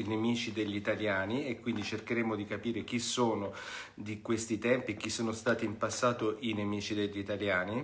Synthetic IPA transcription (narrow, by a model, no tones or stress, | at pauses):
inemiːt͡ʃid̪eʎːit̪aljaːniekːwind̪it͡ʃerkeɾeːmod̪ikapiːɾek̟isːoːnod̪ikwest̪it̪ɛmpiek̟ːisːoːnost̪aːt̪impasːaːt̪oʔinemiːt͡ʃid̪eʎːit̪aljaːni